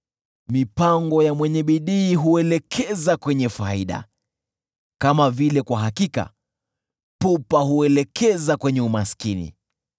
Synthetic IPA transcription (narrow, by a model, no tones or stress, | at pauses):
mipaŋɡɔjamwɛɲɛɓiɗiːɦuɛlɛkʰɛzakwɛɲɛfaiɗa̰ | kamavilɛkwaɦakika̰ | pupaɦuɛlɛkʰɛzakwɛɲɛumaskinḭ